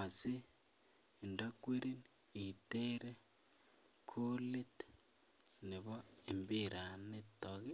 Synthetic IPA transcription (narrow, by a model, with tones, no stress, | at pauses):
a˨si˦˨ | nda˦kwe˦ɾi˦n | i˨te˦ɾe˦ | kʰu˦li˦t | ni˨βo˦e˨mbi˦ɾʔa˨ne˦toɣi˦